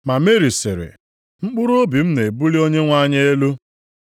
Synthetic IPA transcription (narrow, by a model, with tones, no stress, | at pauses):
ma˨me˦ɾi˨sḛ˨ɾḛ˨ | ŋ͡m̩˦k͡pʊ˦ɾu˦o˦bi˨m̩˦ne˨bu˦li˦o˦ɲe˦ŋʷa˦ɲe˦e˦lu˦